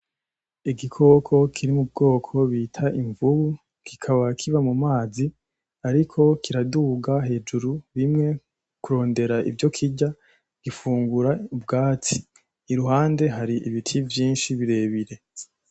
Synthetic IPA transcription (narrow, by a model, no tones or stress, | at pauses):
iɡikʰo̞kʰo̞kʰiɾimub̚ɡo̞ːkʰo̞βitʰaʔiɱvuβu | kikʰaβakʰiβamumaːzi | aɾikʰo̞kʰiɾaduːɡaɦe̞ːd͡ʒuɾuβimŋe̞ | kuɾo̞ːnde̞ɾaʔḭbjo̞kʰiɟa | ɡ̥ifuːŋɡuɾaubɡaːt͡si̥ː | ɾuɦaːnde̞ɦaɾiʔiβitʰivjiːnʃiβiɾe̞ːβiɾe̞